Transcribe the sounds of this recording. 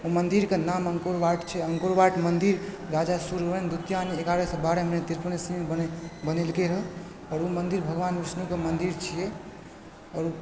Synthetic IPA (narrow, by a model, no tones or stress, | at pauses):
umənd̪iɾkenaməŋkoɾbaʈt͡ʃʰɛəŋkoɾbaʈmənd̪iɾ | ɾad͡ʒasuɾɾend̪ut̪janieɡaɾesɔ̃baɾemened̪iɾpənesibənelkeɾəɦ | ɔːɾumənd̪iɾbʱəɡʋanʋisnukemənd̪iɾt͡ʃʰijɛ | ɔːɾu